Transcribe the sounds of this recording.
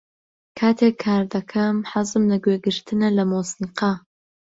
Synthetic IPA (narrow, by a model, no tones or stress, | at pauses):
kʰaːt̪ʰekʰːaːɾd̪ɐkʰɐmħɐzɨmlɐɡweːɡɨɾt̪ʰɨnɐlɐmoːsɨnqʰɑ